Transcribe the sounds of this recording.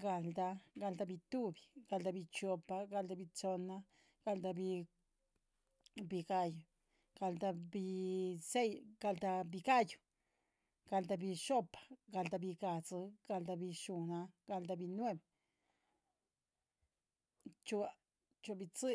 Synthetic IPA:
ɡa˧˨ld̪a˧ɡa˧ld̪a˧bi˧t̪u˦bi˨ɡ̥a˧ld̪a˧bi˧t͡ʃo˧pa˧ɡa˧ld̪a˧bi˧t͡so˧na˧ | ɡ̥a˧ld̪a˧bi˧ | bi˧ɡa˦˧ju˨ | ɡ̥a˧ld̪a˧bi˧se˦jɡ̥a˧ld̪a˧bi˧ɡa˦ju˨ | ɡ̥a˧ld̪a˧bi˧ʃo˦pḁ˨ɡa˧ld̪a˧bi˧ɡa˨t͡sɨ˧ɡ̥a˧ld̪a˧bi˧ʃu˨˧na˧ɡa˧ld̪a˧bi˧nwe˦b | t͡ʃu˧a˧ | t͡ʃu˧bi˧t͡sɨ˦

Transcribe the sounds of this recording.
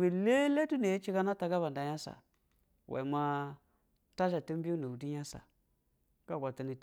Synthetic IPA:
be˨le˦le˦tu˦ne˨je˦t͡ʃi˦ɡa˦na˦ta˨ɡa˦βa˨n˨da˨ja˦sa̰˨ | wʔḛ˨ma˦ | ta˦ʃa˨ti˦m˦bi˦u˦na˨u˨di˦a˦sa̰˨ | ka˦ɡʷa˨ti˨ni˨t

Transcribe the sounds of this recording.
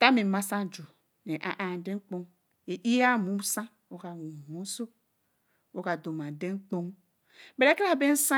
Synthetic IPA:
ta˦me˨ma˦sã˦d͡ʒo˨ | ne˨ʔa̰˨ʔa˨dẽ˦ŋ͡mk͡põ˦ŋ | e˨ʔi˦ja˦˨mũ˨˦m˦sã˦ | wo˨˦ka˨wu˨mu˦so˦ | wo˦ka˨do˨mã˨de˦ŋ͡mk͡po˦ŋ | be˨ɾe˦ka˦˨be˦n̩˦sã˦

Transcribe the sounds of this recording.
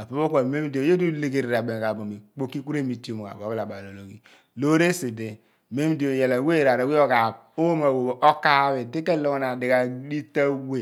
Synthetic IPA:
a˨po˨˦bo˦ka˨me˦m˦di˨o˨je˦du˦le˨ɡe˦˨ɾe˨a˨be˨a˨bo˨mi˨k͡po˦ki˦ku˦ɾe˦mi˨ti˦o˨mo˨a̰˨bo˨˦kla˨ba˨lo˨lo˨kḭ˦ | lo˦ɾe˦se˨de˨ | me˦m˦di˨o˨je˨la˨we˦˨ɾa˨ɾa˨wi˦o˦ka˨ | o˦wo˦ma˨wo˨bo˨ʔo˦ka˦βe˨de˦ke˦lo˦ŋ˦na˨di˨ɣa˨di˦ta˦we˦˨

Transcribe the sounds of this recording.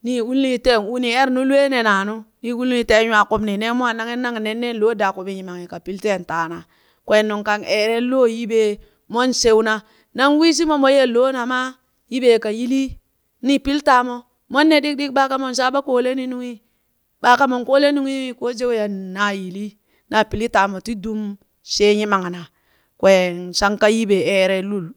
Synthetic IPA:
ni˦wu˦lni˦te˦˨nu˦ni˨e˦ɾnu˦lu˦e˦ne˨na˨nu˦ni˦wu˦li˦te˦jwa˨ku˦bni˨ne˦mu˦a˦na˦ŋe˦nːa˦ŋ˨ne˨nːe˦nlo˦da˨ku˨bi˨ɲi˨ma˨ŋi˨ka˨pi˦lte˦˨nta˨na˨ | kwe˨nːu˨ŋka˨ne˨ɾe˦lo˦ji˦be˦ | mo˦nse˦wna˦ | na˦ŋwi˦s̬i˦mo˦mo˨˦je˦lo˦na˨ma˦ | ji˦be˨ka˨ji˦li˦ | ni˦pi˦lta˨mo˦ | mo˦nːe˦˨di˦k̚di˦k̚ba˦ka˦mo˨nʃ̬a˦ba˦ko˦le˦ni˦nu˦ŋi˦ | ba˨˦ka˦mo˨nko˦le˦nu˦ŋi˦i˦ko˦d͡ʒe˦wja˨na˨˦ji˨li˦ | na˨pi˨li˦ta˨mo˨ti˦du˦m | ʃe˦ɲi˦ma˨ŋa˨na˨ | kwe˨nʃa˦ŋka˦ji˦be˨e˦˨ɾe˦lu˦˨l

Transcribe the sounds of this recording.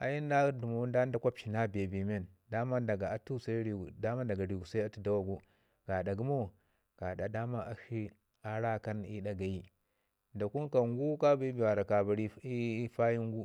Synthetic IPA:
a˨ji˦n˦da˦du˨mo˦n˦da˦n˦da˦kʷa˦pʃi˨na˦be˨bi˨me˦˨nda˦ma˦da˨ɡa˨a˨tu˦sa˦ɾi˨da˦ma˦da˨ɡa˨ɾi˨ɡu˨sa˦a˦tu˦da˦wa˨ɡu˦ | ɡ̥a˨da˨ɡu˦mo˦ | ɡ̥a˨da˨da˦ma˦a˦hi˦ | a˦ɾa˦ka˦ni˦ɗa˨ɡa˨ji˦ | da˨ku˦nka˨ŋɡu˦ka˦bi˦bi˨wa˨ɾa˨ka˨ba˨ɾi˦i˦fa˦ji˦ŋ˦ɡu˦

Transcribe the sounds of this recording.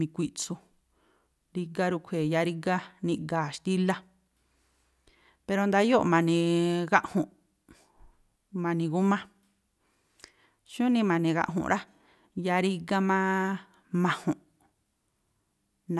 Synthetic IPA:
mĩ˧kʷi˧ʔt͡su˧ | ɾi˧ɡa˦ɾu˧kʷʰe˨ja˧ɾi˦ɡa˦nĩ˧ɡaː˨ʃt̪i˦la˦ | pe˧ɾo˧nd̪a˧jo˦ʔmã˧nĩ˧ɣa˦ʔhũ˨ʔ | mã˧nĩ˧ɣu˦mã˦ | ʃũ˦nĩ˧mã˨nĩ˧ɣa̰˧ʔɦṵ̃˨ʔɾʔa˦ | ja˧ɾi˦ɡa˦mã˦ | mã˧hũ˨ʔ | nã˨

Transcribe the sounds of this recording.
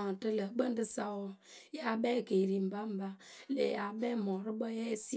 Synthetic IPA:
tə˦lə˨bə˦n˦də˦sa˦wɔ˦ja˦bɛ˦˨ke˨ɾi˨m̩˨ba˦m̩˨ba˦lḛ˨ja˨bɛ˦mɔ˨ɾə˦bə˦jɛ˦si˦

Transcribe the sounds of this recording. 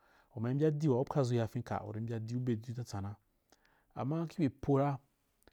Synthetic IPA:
o˨ma˨˦bʲi˦a˦di˦wa˨u˦pkʰa˦˨zu˦ja˨fĩ˦ka̰˨o̰˨ɾi˨˦m̩˦bʲa˦di˦u˦be˨du˦ta˦t͡sa˨na˦ | a̰˨mːa˦ki˦be˨pʰo˦ɾa˦

